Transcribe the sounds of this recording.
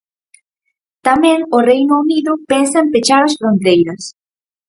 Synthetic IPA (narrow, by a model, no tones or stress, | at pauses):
t̪amẽŋorejnʊuniðʊpensɐempet͡ʃaɾɐsfɾont̪ejɾɐs